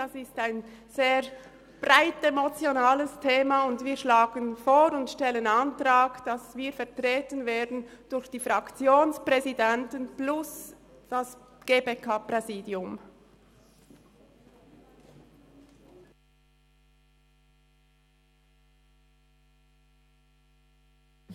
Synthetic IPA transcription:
asɪstaɪnz̥eːʁ | b̥ʁaɪtemot͡sjonaːləstʰeːmaʊndviːɐʃlaːɡənfoːɾʊntʃtɛlənɑntʁaːkd̥ɑsviːfɛɐtʁeːtənveːɐdn̩d̥ʊɾçd̥iːfʁɑkt͡sjoːnspʁɛzidɛntənplʊs | d̥as | ɡ̥eːbekʰapʁɛziːdjʊm

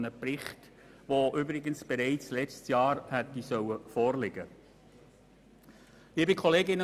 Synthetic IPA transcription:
nəprɪχt | ʋoʔʏbɾɪɡənsb̥ɛɾɛɪt͡slɛt͡stsjɑːɾhɛtːisœwəfɔːrlɪɡ̥ə | ʋiːbɪkʰɔleːɡɪnə

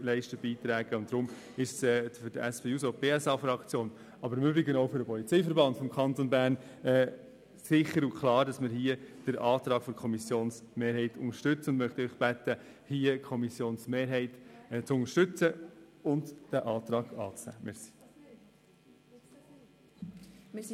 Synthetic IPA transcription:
lɛɪʃtəbiːt̪ɾæːɡ̥əʊntdɾʊm | ɪʃsɛːfʏdəæspeːusopeːɛsɑfɾɑkt͡sjoːn | ɑbəɾmybɾɪɡənoʊfʏɾəpɔlit͡sɛɪfəɾbɑnd̥fɔmkʰɑnt̪ɔnbæːɾn | ɛː | sɪχəɾukʰlɑːɾd̥ɑsmɪɾɦiːəd̥əɾʔɑːt̪ɾɑːɡ̥fɔkʰɔmisjoːnsmeːɾɦɛɪtʰʊŋəʃtʏt͡səʊndmœχt̪iœʏχb̥æt̪ːə | hiːəkʰɔmisjoːnsmeːɾɦɛɪtt͡sʊŋəʃtʏt͡səʊndd̥æʔɑːt̪ɾɑːɡ̥ɑːt͡snɛ̰ːmɛsi̥

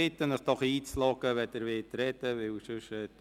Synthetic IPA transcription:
ɪt̪ːənəχd̥ɔχiːt͡slɔɡəʋɛt̪əɾʋɪtɾɛt̪əʋɪwʃʏʃɛt

